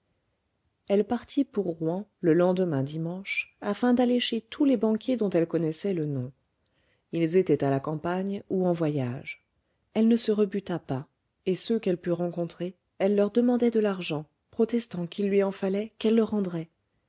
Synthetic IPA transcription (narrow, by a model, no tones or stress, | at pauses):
ɛlpaʁt̪ʰipuʁːwɛ̃ləlɑ̃d̪əmɛ̃d̪imɑ̃ʃafɛ̃d̪aleʃet̪ʰulebɑ̃kʲjed̪ɔ̃t̪ɛlkɔnɛsɛlənɔ̃ | ilzet̪ɛt̪alakɑ̃paɲuɑ̃vwajaʒ | ɛlnəsəʁəbyt̪apa | esøkɛlpyʁɑ̃kɔ̃t̪χe | ɛlːœʁd̪əmɑ̃d̪ɛd̪əlaʁʒɑ̃ | pχɔt̪ɛst̪ɑ̃kilːɥiɑ̃falɛkɛlːəʁɑ̃d̪ʁɛ